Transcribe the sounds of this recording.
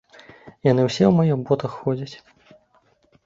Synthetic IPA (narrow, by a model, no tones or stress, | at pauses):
janɨwsʲɛwmajɔbɔt̪ɐxːɔd͡zʲɐt͡sʲ